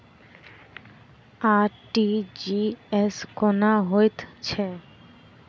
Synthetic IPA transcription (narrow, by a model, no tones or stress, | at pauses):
aɾʈid͡ʑieskɔnaɦojt̪t͡ɕʰe